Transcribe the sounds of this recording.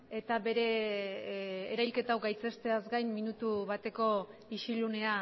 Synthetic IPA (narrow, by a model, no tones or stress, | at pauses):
e̞t̪aβe̞ɾe̞ | ɾajlke̞t̪awɡajt͡se̞st̪e̞azɡajnːinut̪uβat̪e̞ko̞iʃilune̞a